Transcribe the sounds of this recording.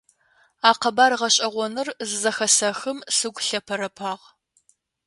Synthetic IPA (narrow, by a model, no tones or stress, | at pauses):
aːqɐbaːrʁɐɕʼɐʁʷɔnɨrzɨzɐxɐsɐxɨmsɨɡʷʼɬɐpʰɐɾɐpʰaːʁ